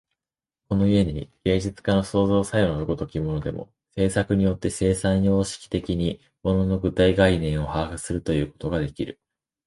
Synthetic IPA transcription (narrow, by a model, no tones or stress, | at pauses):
ko̞no̞ie̞ɲ̟iɡ̥e̞ːd͡ʑit͡sɨ̥kano̞so̞ːzo̞ːsajonoɯɡot̪o̞kʲimo̞no̞d̪e̞̰mʔo̞̰ | se̞ːsakɯ̟ɲ̟ijo̞t̪ːe̞se̞ːsãiɲioːɕi̥kʲi̥t̪e̞kʲiɲ̟i | mo̞nono̞ɡɯ̟t̪aiɡainẽ̞ɰ̃o̞haːhɯ̟sɨɾɯ̟t̪o̞jɯ̟ːko̞t̪o̞ɡad̪e̞kʲiɾɯ̟